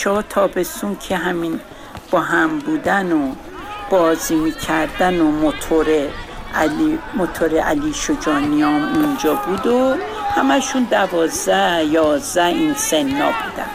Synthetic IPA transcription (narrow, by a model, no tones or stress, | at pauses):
t͡ʃʰɒːt̪ʰɒːbe̞sunkʰeɦæmin | b̥ɒːɦæmbuːd̪æno | b̥ɒːziːmiːcʰæɾd̪ænomot̪ʰoɾe | mot̪ʰoɾeʔæliːʃod͡ʒɒːniɒːmund͡ʒɒːbud̪o | hæmæʃund̪ævɒːzd̪æjɒːzd̪æinsenːɒ̰ːb̥uːd̪æ̰n